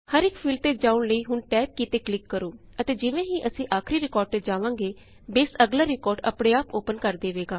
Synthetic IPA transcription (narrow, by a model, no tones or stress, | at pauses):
həɾɪkpʰiːlt̪eːd͡ʒaːʊɳləiːɦʊɳʈɛːk̚kit̪eːklɪkːəɾoː | ət̪eːd͡ʒɪʋẽːɦiːʔəsĩːʔaːkʰɾiːɾɪkɔːɾɖ̚t̪eːd͡ʒaːʋãːŋɡeː | beːsəɡlaːɾɪkɔːɾɖə̰pɽeːaːpoːpənkəɾd̪eːʋeːɡaː